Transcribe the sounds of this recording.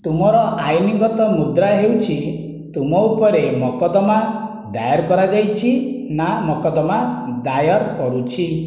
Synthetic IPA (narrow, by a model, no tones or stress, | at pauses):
t̪umɔɾɔʔajniɡɔt̪ɔmud̪ɾaɦewt͡ʃʰi | t̪umɔupɔɾemɔkɔd̪ɔma | d̪ajɔɾkɔɾad͡ʒajt͡ʃʰinamɔkɔd̪ɔmad̪ajɔɾkɔɾut͡ʃʰi